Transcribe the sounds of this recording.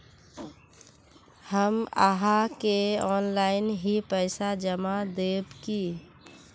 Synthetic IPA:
həma̰ɦakeɔːnlaɪnɦipəɪsad͡ʒəmad̪ebki

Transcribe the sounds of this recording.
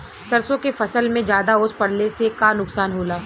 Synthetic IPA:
sɐɾsõkefɐsəlmẽd͡ʒjaːd̪aʊspɐɽlesekanʊksaːnɦoːlaː

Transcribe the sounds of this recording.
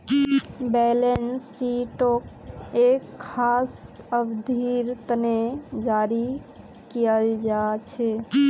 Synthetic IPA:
bɛlensiʈok̚ | ekʰːas | əbd̪ʱiɾt̪ned͡ʒaɾi | kijəld͡ʒat͡ʃʰɛ

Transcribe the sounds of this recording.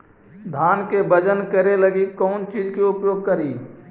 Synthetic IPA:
d̪ʱaːnkebəd͡ʒənkɐɾelɐɡikɔːnt͡ʃiːd͡ʒkeʊpjoːɡ̚kɐɾiː

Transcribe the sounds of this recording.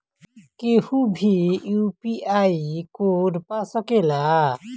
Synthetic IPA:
kehũbʱijupiajkoɖpasɔkela

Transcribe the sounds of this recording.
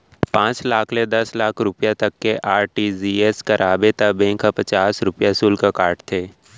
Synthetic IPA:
pãːt͡ʃlaːkʰled̪ɐslaːkʰɾʊpjat̪ɐkːeʔaːɾʈiːzieskɐɾʔaːbet̪abẽːkapɐt͡ʃaːsɾʊpjasuːlkakaːɾʈt̪ʰeː

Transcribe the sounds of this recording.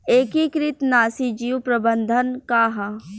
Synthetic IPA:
eːkikɾɪt̪naːsid͡ʒiːwpɾɐbənd̪ʱənkaːɦa

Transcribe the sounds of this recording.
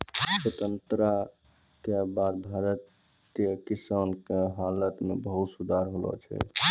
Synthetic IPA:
swət̪ənt̪ɾa | kebad̪bʱaɾət̪ | kjəkisankeɦalət̪mebəɦut̪sud̪ʱaɾɦolɔ̰t͡ʃʰɛ̰

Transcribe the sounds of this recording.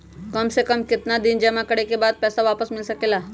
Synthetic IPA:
kɐmsekɐmkɪt̪nad̪ɪnd͡ʒɐmakɐɽekebaːd̪̚pɛːsaʋaːpəsmɪlsɐkeːlaː

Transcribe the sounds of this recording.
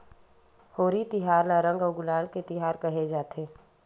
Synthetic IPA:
hoːɾit̪ɪɦaːɾlaɾə̃ŋɡɔɡʊlaːlket̪ɪɦaːɾkɐɦed͡ʒaːt̪ʰeː

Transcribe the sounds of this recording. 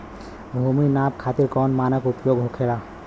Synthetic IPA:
bʱuminap̚kʰat̪iɾkɔnmanəkupjoɡɦokʰela

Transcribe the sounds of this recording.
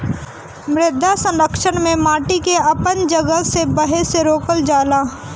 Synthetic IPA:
mɾɪd̪ʱːasə̃nɾəkʃənmẽmaːʈikeɐpənd͡ʒɐɡəsebəɦeseɾoːkəld͡ʒaːlaː

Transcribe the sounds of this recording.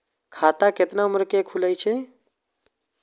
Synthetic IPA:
kʰat̪aket̪nauməɾkekʰuləjt͡ʃʰɛ

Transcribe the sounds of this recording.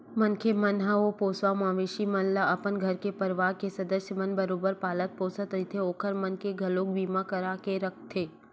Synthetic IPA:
mɐnkʰemɐnɦaʋopoːswamãːʋeːʃimɐnlaɐpənɡʱɐɾkepɐɾʋaːkesɐd̪əsjəmɐnbɐɾoːbəɾpaːlət̪̚poːsət̪ɾɪt̪ʰeoːkʰəɾmɐnkeɡʱɐloːk̚biːmakɐɾaːkeɾɐk̚ʰt̪ʰeː

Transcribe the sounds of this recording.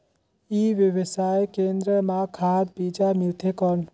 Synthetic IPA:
iʋjəʋəsajkend̪ɾəmakʰad̪̚bid͡ʒamɪlt̪ʰekɔn

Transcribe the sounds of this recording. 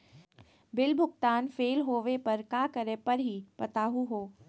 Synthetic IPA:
bɪlbʱʊɡt̪aːnfeːlɦoːʋepɐɾkaːkəɾẽpɐɾɦipɐt̪aːɦuɦoː

